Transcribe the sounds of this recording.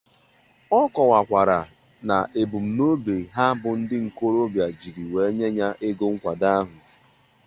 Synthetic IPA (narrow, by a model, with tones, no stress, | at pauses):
ɔ˦kɔ˨wa˨kʷa˨ɾa˨ | na̰˨ʔe˨bu˨m̩˨no˦be˨ɦa˦bʊ˨n̩˦dɪ˦ŋ̩˨ko˦ɾo˦bja˨d͡ʒi˨ɾi˨we˨˦ɲe˦ɲa˦ʔɪ˦ɡo˦ŋ̩˦kʷa˨da˦ɦʊ˨